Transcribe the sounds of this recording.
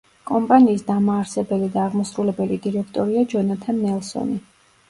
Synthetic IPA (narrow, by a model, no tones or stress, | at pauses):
kʼɔmpʼaniːsd̪amaːɾsɛbɛlid̪aːʁmɔsɾulɛbɛlid̪iɾɛkʰt̪ʼɔɾiad͡ʒɔnat̪ʰanːɛlˠsɔ̰ni